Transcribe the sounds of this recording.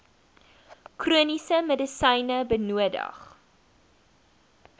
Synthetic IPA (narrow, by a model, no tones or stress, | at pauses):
kruənisəmədəsɐjnəbənuədə̰χ